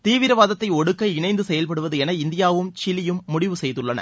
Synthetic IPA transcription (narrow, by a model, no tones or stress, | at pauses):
t̪iːʋɪɾɐʋaːðɐt̪ːɐɪɔɽɯkːɐɪɳɐɪnd̪ɯsɛjɐlpɐɽɯʋɐðɯɛnɐɪnd̪ɪjaːʋɯmt͡ʃɪlɪjɯmːʊɽɪʋɯsɛjðɯɭːɐnɐ̰